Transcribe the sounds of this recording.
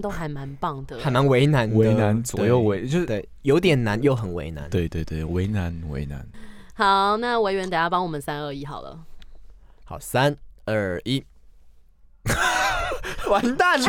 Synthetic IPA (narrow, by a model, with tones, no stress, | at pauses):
t̪o˥ʊxa˧˥ɪma˧˦npɑ˥˩ŋd̪ə˨xa˨˩ɪma˧˦nwe˧˥ɪna˧˥nwe˧˦ɪna˧˦nt͡swɔ˨˩jo˥˨˩ʊwe˧˦ɪt͡ɕjo˥˧ʊt̪we˥˩ɪjo˧˥ʊt̪̬jɛ˨˩nna˧˥njo˥˩ʊxə˨˩˦nwḛ˧˥ɪna̰˧˦nwe˥˧ɪt̪we˥˧ɪt̪we˥˩ɪwe˧˥ɪna˧˥nwḛ˧˥ɪna̰˧˦nxɑ˨˩˦ʊna˥˩we˧˥ɪɥɛ˧˥nt̪a˨˩ja˥˩pɑ˥ŋwɔ˨˩mə˦nsa˥nə˞˥˧i˥xɑ˨˩ʊlə̰˦ | xɑ˨˩ʊsa˦˥nə˥˩i˦˥ | wa˧˦˥nt̪a˥˩n